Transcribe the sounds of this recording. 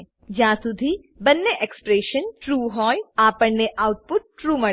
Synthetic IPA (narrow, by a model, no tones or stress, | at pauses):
d͡ʒãːsʊd̪ʱi | bɐnːeʔekspɾeːʃənʈɾuːɦɔːjaːpəɽneʔaːwʊʈ̚pʊʈ̚ːɾuːmɐɽ